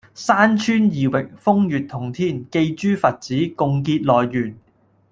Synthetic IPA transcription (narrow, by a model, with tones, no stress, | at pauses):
saː˥nt͡ʃʰyː˥njiː˨wɪ˨k̚fʊ˥ŋjyː˨t̚t̪ʰʊ˨˩ŋt̪ʰiː˥˩nke˧jt͡ʃyː˥fɐ˨t̚t͡siː˨˥kʊ˨˧ŋkiː˧t̚lɔː˨jːyː˨˩n